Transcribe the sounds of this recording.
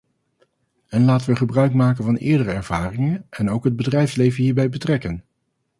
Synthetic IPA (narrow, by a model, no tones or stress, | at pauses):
ɛnlaːtənʋəχəbrœɥkmaːkənvɑnɪ̰ːɹdərəɛɹv̥aːrɪŋənɛnowkɦəd̚bədrɛjfslejvənɦiːɹbɛjbətrɛkən